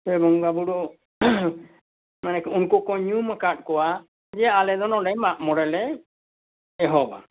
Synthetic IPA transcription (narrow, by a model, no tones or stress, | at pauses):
ɛbɔŋbabuɖɔ | manɛkunkɔkɔɲumakaʈ̚kɔwa | d͡ʒɛalɛd̪ɔnɔɖɛmaʔmɔɽɛlɛ | ɛɦɔba̰